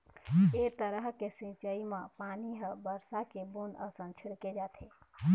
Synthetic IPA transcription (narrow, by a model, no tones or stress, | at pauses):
et̪əɾəɦkesĩt͡ʃəimãpaniɦə̃bəɾsakebunəsə̃nt͡ʃʰiɽked͡ʒaːt̪ʰe